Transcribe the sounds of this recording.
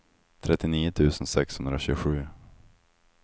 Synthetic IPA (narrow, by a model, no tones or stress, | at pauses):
t̪ʰɾɛt̪ːɪniːʊt̪ʰʉ̟ːsənsɛkshɵnd̪ɾaɕʉːɡɧʉ̟ː